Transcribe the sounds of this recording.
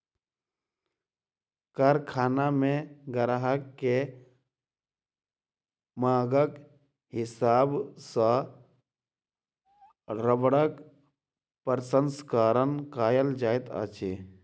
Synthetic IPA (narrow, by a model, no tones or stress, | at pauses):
kəɾkʰaːnamẽɡəɾɦəkːe | maːɡək | ɦɪsaːbsã | ɾəbɽək | pəɾsənskaːɾənkaːjəld͡ʒaːet̪a̰ːt͡ʃeː